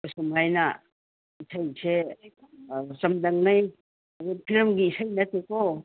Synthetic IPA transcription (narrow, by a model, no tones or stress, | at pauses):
kusumɦajna | isʰajsʰe | sɐmd̪ɐŋnaj | pʰiɾmɡiːsajnɐt̪eko